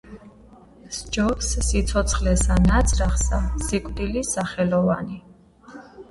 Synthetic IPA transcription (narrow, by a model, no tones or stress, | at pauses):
sd͡ʒɔpsːit̪sʰɔt̪sʰχlɛsanat̪sʰʼɾaχsasikʼd̪ilisaχɛlɔva̰ni